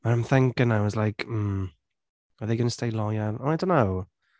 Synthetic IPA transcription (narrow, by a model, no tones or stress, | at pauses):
maãmθɛ̃ŋkɪnːawɔzlajkʰm̩ | əðeɪɡʌnəstejlˠɔjanɔnajdõnːaw